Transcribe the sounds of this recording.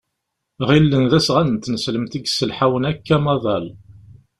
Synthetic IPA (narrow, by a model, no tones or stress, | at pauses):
ʁilːənðæsʁænənt̪ːnəsləmt̪iɡsəlħawənækːæmɑðˤɑl